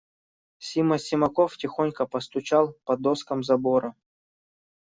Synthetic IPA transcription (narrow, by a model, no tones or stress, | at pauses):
sʲimɐsʲɪmɐkoftʲɪxonʲkəpɐst̪ʊt͡ɕalˠpɐd̪oskəmzɐboɾɐ